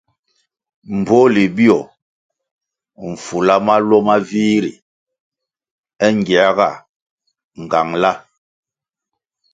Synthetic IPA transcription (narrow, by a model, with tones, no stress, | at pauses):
m̩˨bo˦li˨bi˦ɔ˨ | ɱ̩˨fu˨la˦ma˦lɔ˦ma˦vi˦ɾḭ˨ | ɛ˦ŋ˨ɡi˨a˦ɡa˦˨ | ŋ˨ɡa˨ŋla˦